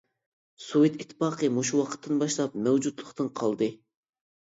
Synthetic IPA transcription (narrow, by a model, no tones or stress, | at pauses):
suwɨt̪it̪ʰːɨ̥pɑːqʰəmoʃuwɑqʰə̥t̪ʰːɨnbɑʃlˠɑp̚mæwd͡ʒud̪lˠəχt̪ɨnqʰɑlˠd̪ɨ